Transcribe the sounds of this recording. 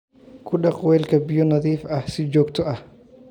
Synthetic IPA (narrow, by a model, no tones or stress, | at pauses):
kʰʊɗɐqʼwɛːlkʰɐbɪjɔnɐðiːfɐhsɪd͡ʒɔːkt̪ʰɔʔɐh